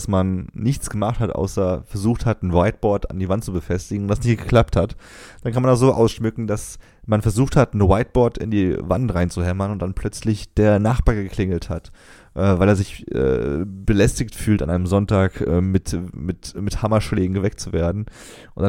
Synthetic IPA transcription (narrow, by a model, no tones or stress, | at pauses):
smanːɪçt͡sɡ̥əmaχthatʔa̰ʊsɐfɛɐzuːxthatnəwaɪt̚b̥ɔɐta̰ndiːvantt͡subəfɛstɪɡŋ̩ʊntd̥asnɪçt̚ɡ̥əkl̥ap̚that | d̥ankʰanmandɐz̥oːʔa̰ʊsʃmʏkŋ̩das | manfɛɐzuːxthatnəwaɪt̚b̥ɔɐtɪ̰ndiːva̰ntʁaɪnt͡suhɛmɐnʊntd̥anpʰl̥œt͡slɪçd̥eːɐnaχb̥aːɐɡəkʰlɪŋl̩that | ʔɛːvaɪleːɐzɪçʔɛ̰ːbəlɛstɪçtfyːlta̰nʔaɪnəmzɔntaːkʔɛ̰ːmɪtmɪtmɪthamɐʃleːɡŋ̩ɡəvɛk̚tt͡suvḛːɐdn̩ | ʔʊntd̥a